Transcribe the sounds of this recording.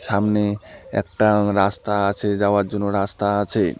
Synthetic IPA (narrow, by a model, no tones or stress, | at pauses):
ʃamneɛ̰k̚ʈaɾast̪aat͡ɕʰed͡ʑaoaɾd͡ʑonːoɾast̪aat͡ɕʰe